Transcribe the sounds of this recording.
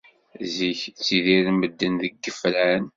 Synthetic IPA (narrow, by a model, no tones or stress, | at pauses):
ziçt͡sːiðiɾməd̪ːənðəɡːəflæən